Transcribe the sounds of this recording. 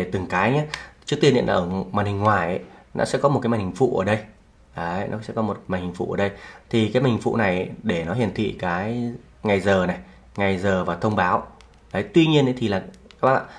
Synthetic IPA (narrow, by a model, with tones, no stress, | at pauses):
e˧˩t̪ɨ˨˩ŋkaː˨˦jɲa˨˦t͡ɕɨ˦˥ək̚t̪i˧ɗḭ˧˨nʔəː˧˩maː˨˩nhï˨˩ŋ̟ŋwaː˨˩jʔə˨˦jnɔ̰˧˦sɛ̰˧˥kɔ˨˦m̚˨˩kaː˨˦mː˨˩ŋhi˨˩ŋ̟fṵ˧˨ʔəː˧˩ɗə˧j | ʔə˨˦nɔ˨˦sɛ̰˧˥kɔ˨˦mo˨˩t̚maː˨˩ŋ̟hï˨˩ŋ̟fṵ˧˨ʔəː˧˩ɗə˧jt̪ʰi˨˩kaː˨˦jma˨˩˨ŋ˩fṵ˧˨na˨˩jɗe˧˩nɔ˨˦hi˨˩ənt̪ʰḭ˧˨kaː˨˦j | ŋa˨˩jzəː˨˩na˨˩j | ŋa˨˩jzəː˨˩vaː˨˩t̪ʰə˧wŋ͡mɓaː˨˦w | ɗə˨˦jt̪wi˧ɲi˧ənʔə˨˦t̪ʰi˨˩laː˨˩a˦˥ka̰˧˨la̰ː˧˨